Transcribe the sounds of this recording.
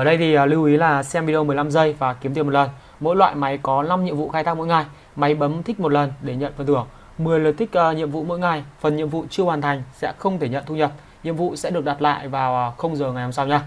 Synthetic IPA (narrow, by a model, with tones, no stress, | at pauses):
ʔəː˧˩ɗə˧jt̪ʰi˨˩ʔli˧wʔi˨˦laː˨˩sɛ˧mvi˧ɗi˧ə˧mɨ˨˩əjla˧mzə˧jvaː˨˩ki˨˦mt̪i˧˩mo˨˩tlə˨˩n | mo̰˧˥jlwa̰ː˧˨jma˨˦jkɔ˨˦na˧mɲḭ˧˨əmvṵ˧˨xaː˧jt̪a˦˥k̚m̰o̰˧˥jŋa˨˩j | ma˨˦jɓə˨˦mt̪ʰï˦˥k̚mo˨˩t̚lə˨˩nɗe˧˩ɲə̰˧˨nfə˨˩nt̪ʰɨ˧˩əkŋ̚ | mɨ˨˩əjləː˨˩t̪ʰï˦˥k̟̚ːɲḭ˧˨əmvṵ˧˨mo̰˧˥jŋa˨˩jfə˨˩nɲḭ˧˨əmvṵ˧˨t͡ɕɨ˧əhwaː˨˩nt̪ʰa˨˩jŋ̟sɛ̰˧˥xə˧wŋ͡mt̪ʰe˧˩ɲə̰˧˨nt̪ʰu˧ɲə˨˩t̚ | ɲḭ˧˨əmvṵ˧˨sɛ̰˧˥ɗək̚ɗa˨˩t̚la̰ː˧˨jvaː˨˩wʔxə˧wŋ͡mzəː˨˩ŋa˨˩jhə˧ŋ͡msa˧wɲaː˧